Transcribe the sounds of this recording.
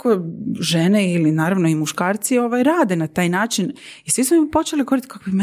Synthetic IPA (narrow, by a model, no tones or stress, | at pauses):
koʒeneilinaːɾaʋno̞imuʃkaːɾt̪sio̞ʋajɾaːd̪e̞nat̪aːjnaːt͡ʃinisʋismopo̞t͡ʃelikoɾit̪kʰakobim